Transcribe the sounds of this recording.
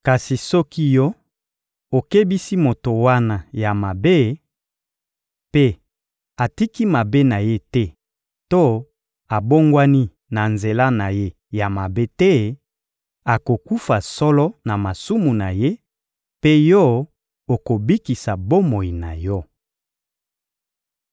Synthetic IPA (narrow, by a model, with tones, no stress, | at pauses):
ka˨si˨sɔ˦ki˦jɔ˦ | o˨ke˦bi˦si˦mo˨to˨wa˦na˨ja˨ma˨be˦ | pe˦ | a˨ti˦ki˦ma˨be˦na˨je˦tɛ˦ | to˦ | a˨bo˦ŋɡwa˦ni˦ | na˨nze˨la˦na˨je˦ | ja˨ma˨be˦tɛ˦ | a˨ko˨ku˦fa˨sɔ˦lɔ˦na˨ma˨su˦mu˨na˨je˦ | pe˦jɔ˦ | o˨ko˨bi˦ki˨sa˨bo˦mo˨ji˨na̰˨jɔ˦